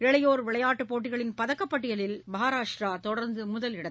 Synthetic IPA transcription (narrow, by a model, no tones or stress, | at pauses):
ɛɭɐjoːɾʋɪɭɐjaːʈːɯpoːʈːɪɣɐɭɪnpɐðɐkːɐpːɐʈːɪjɐlɪlmɐɦaːɾaːʂʈɾaːt̪ɔɽɐɾnd̪ɯmʊðɐlɪɽɐ